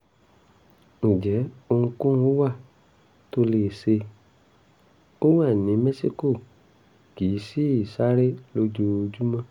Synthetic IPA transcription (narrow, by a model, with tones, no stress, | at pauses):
ñ̩˨d͡ʒɛ˨˦o˧ũ˧kũ˦o˦wa˦˨ | to˧le˨se˧ | o˦w̃a˦˨nĩ˨˦mɛ˦si˦ko˦˨ | ɡ̥i˨˦si˦˨sa˦ɾe˦lo˧d͡ʒo˧d͡ʒu˦mã˦